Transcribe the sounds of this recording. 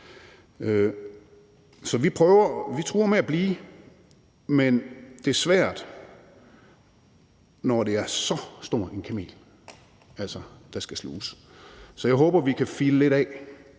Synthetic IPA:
ø | sɒ̽ʋipʰʁœːʊɐʋit͡sʰʁṵːɐmeæb̥liː | mend̥e̝æɐsʋæɐ̰d̥ | nɒd̥e̝æɐsɒ̽sd̥o̝ɐ̰e̝nkʰæme̝̰ːl | æl̰sɐd̥ɑ̈sɡ̥æslṵːs | sɒ̽jɑ̈ɪɦɔːb̥ɐʋikʰæfiləle̝ɾ̥ɛ

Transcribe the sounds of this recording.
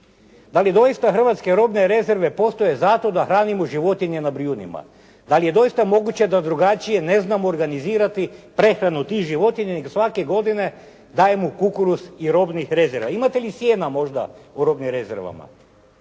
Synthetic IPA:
d̪alid̪o̞jist̪axr̩ʋat̪ske̞ɾo̞bne̞ɾe̞ze̞ɾʋe̞po̞st̪o̞je̞zat̪o̞d̪axɾaːnimoʒiʋo̞t̪iɲenabɾijunḭma̰ | d̪alije̞d̪o̞jist̪amo̞ɡut͡ɕe̞d̪ad̪ɾuɡat͡ʃije̞ne̞znamoːɾɡaniziːɾat̪ipɾe̞xɾanut̪ixʒiʋo̞t̪iɲeneɡosʋake̞ɡo̞d̪ine̞ | d̪aːje̞mukukuɾusiɾo̞bnixɾe̞zeɾʋaimat̪e̞lisjeːnamo̞ʒd̪a̰uɾo̞bnimɾe̞zeɾʋa̰ma̰

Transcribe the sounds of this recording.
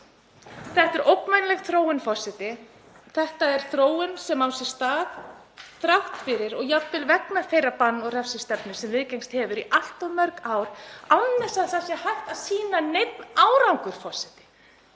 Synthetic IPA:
θɛht̪ɛɾʔowknmajnlɛɣθɾoːwɪnfɔsɪt̪ɪ | θɛht̪aɛɾ̥θɾoːwɪnsɛmawsjɛɾ̥st̪aːɣ | t̪ɾawht̪fɪɾɪɾɔɣjapːɪlvɛknafejɾapanːɔɣrɛfsɪst̪ɛpnʏsɛmvɪðcejŋst̪hɛvʏɾiʔal̥t̪ɔðmœɾkaːwɾanːɛsaðsasjɛhajht̪aðsiːnanejt̪̚naːwɾawŋkʏɾ̥fɔsɪt̪ɪ̥

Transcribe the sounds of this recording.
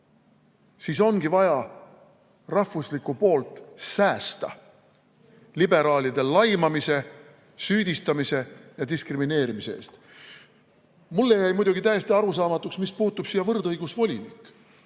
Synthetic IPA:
siːso̞nɡ̥ivɑjɑ | rɑhvuslikːˑupo̞ːlt̪ˑsæːst̪ɑ̰ | libe̞ɾɑːlʲid̪̥e̞lɑjmɑmise̞ | syːd̪ist̪ɑmise̞jɑd̪iskrimine̞ːɾimiseḛːst̪ | mulːe̞jæjmujd̪uɡ̥it̪æjest̪iɑɾusɑːmɑt̪ːˑuksmispuːt̪ːˑub̥siːjɑvɤrd̪ɤjɡ̥usvo̞lʲḭnḭkːˑ

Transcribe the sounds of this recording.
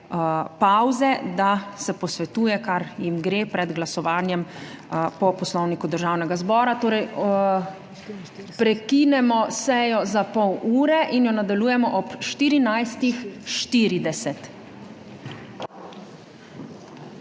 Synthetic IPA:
pawzɛd̪asɛpɔsʋɛt̪uːjɛkaɾjimɡɾeːpɾɛd̪ɡlasɔʋaːnjɛm | pɔpɔslɔwnikud̪əɾʒaːwnɛɡazbɔːɾat̪oːɾɛj | pɾɛkinɛmɔsɛjɔzapɔwuːɾɛʔinjɔnad̪aluːjɛmɔʔɔpʃt̪iːɾinajst̪ixʃt̪iːɾid̪ɛsɛt̪

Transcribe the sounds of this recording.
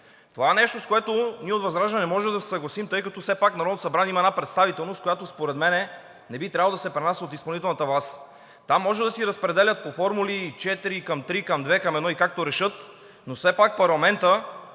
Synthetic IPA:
t̪ovaɛnɛʃt̪oskoɛt̪oniəot̪vɐzɾaʒɛnɛnɛmɔʒɛd̪ɐsɛ̥sɐɡlˠɐsimt̪ɤjkɐt̪ɔsɛpaknɐɾɔd̪t̪osɐbɾanʲiimɐɛnapɾɛt̪st̪avit̪ɛlˠnost̪̚kojat̪ospoɾɛd̪mɛnɛ | nɛbit̪ɾʲavlˠod̪ɐsɛpɾɛnasəot̪ispɐlˠnit̪ɛlˠnət̪əvlˠas | t̪amːɔʒɛd̪ɐsiɾɐspɾɛd̪ɛlʲət̪̚pofɔɾmulit͡ʃɛt̪iɾikɐmt̪ɾikɐmd̪vɛkɐmɛd̪nɔikak̚t̪oɾɛʃɤt̪ | nosɛpak̚pɐɾlˠɐmɛnt̪ə

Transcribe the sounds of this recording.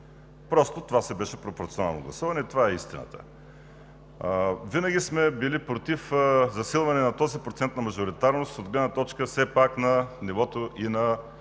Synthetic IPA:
pɾɔst̪ot̪ovasɛbɛʃɛpɾopoɾt̪siona̰lˠno̰ɡlˠɐsuvɐnɛt̪ovaɛist̪inə̰t̪ə̰ | vinəɡʲismɛbilipɾot̪ifzɐsilˠvɐnɛnɐt̪ɔzipɾot̪sɛnt̪nɐmɐʒoɾit̪aɾnost̪od̪ɡlɛd̪nɐt̪ɔt͡ʃkəsɛpaknɐnivɔt̪oʔinɐ

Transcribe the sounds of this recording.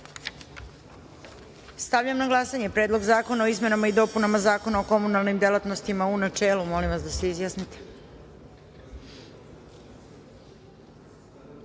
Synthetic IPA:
st̪aʋvʎamnaɡlˠasaɲe̞pɾed̪lˠo̞ɡzaːko̞nao̞izme̞namaid̪o̞ːpunamazaːko̞nao̞ko̞munalˠnimd̪elat̪no̞st̪imaunat͡ʃe̞ːlumo̞limʋasd̪aseizjasnit̪e̥

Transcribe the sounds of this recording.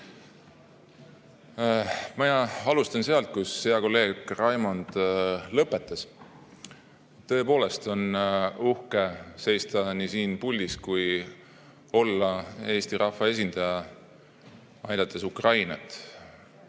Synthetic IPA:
mɑjɑɑlust̪ɑnse̞ɑlt̪̚kusːeɑko̞lːe̞ːɡ̥rɑjmond̪̥lɤpːˑe̞t̪ːˑɑs | t̪ːɤ̞e̞po̞ːle̞st̪o̞nuhke̞se̞jst̪ɑnisiːnpulʲːiskuj | o̞lːɑe̞ːst̪iɾʔɑfɑe̞s̬ʲind̪̥ɑjɑ | ɑjd̪̥ɑt̪ːˑesukrɑjnɑ̰t̪ˑ

